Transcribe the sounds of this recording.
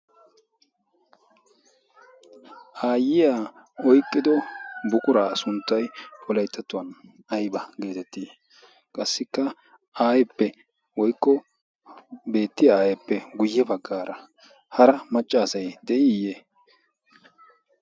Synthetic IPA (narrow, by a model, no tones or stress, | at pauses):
ʔaːjɪjaː | ɔjkʼːɪd̪ɔbʊkʼʊɾaːsʊnt̪ːɐjpɔlɐjt̪ːɐt̪ːʊwɐn | ɐjbɐɡe̞ːt̪ɛt̪ːiː | kʼɐsːɪkːɐ | aːjɛpːɛ | wɔjkʼːɔ | be̞ːt̪ːɪjaaːjɛpːɛɡʊjːɛbɐɡːaːɾɐ | hɐɾɐmɐt͡ʃʼːaːsɐjd̪ɛʔɪjeː